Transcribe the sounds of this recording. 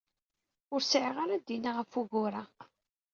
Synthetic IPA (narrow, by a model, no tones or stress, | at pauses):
ʊɾsʕʁaɾæd̪inaʁəfuɣʊɾa